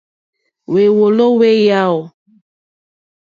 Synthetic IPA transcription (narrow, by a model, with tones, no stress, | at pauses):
we˨wo˨lo˦we˦ja˦o˨